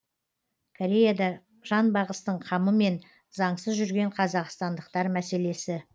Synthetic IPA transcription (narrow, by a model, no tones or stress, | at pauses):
kʰoɾʲe̞jad̪ɑ | ʒ̥ɑnbɑʁəst̪əɴqʰɑməme̞n | zɑɴsəzʒʏɾɡʲe̞ɴqʰɑzɑqst̪ɑnd̪əqt̪ɑɾmæse̞le̞sɪ